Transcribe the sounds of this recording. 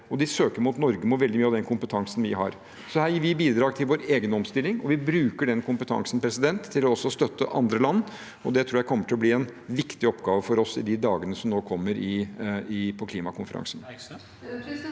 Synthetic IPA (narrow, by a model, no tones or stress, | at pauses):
ɔd̪ɪsøːkəɾmʊut̪nɔɾɡəmʊt̪ʋɛld̪ɪmyːɑʋd̪ɛnkʰʊmpət̪ʰɑŋsnʋɪɦɑ̰ɾ | sɔhæːjiːɾʋɪbiːd̪ɾɑːɡt̪ʰɪlʋoːɾeːɡənɔmst̪ɪlːɪŋɔʋɪbɾʉːkəɖɛnkʊmpət̪ʰɑ̰ŋsnpʰɾɛsɪd̪ɛnt̪ʰːɪlɔɔsːɔst̪œt̪ːəʔɑ̰nd̪ɾəlɑnː | ɔd̪ɛt̪ʰɾuːɾjæɪkʰɔmːəʈʰɪlɔb̪liːɛnʋɪkt̪ɪɔpːɡɑːʋəfɔɾɔsɪ̰d̪ɪd̪ɑːɡənəsɔmnoːkʰɔmːəɾɪɪpʰɔkʰliːmɑkʰʊnfəɾɑ̰ŋsən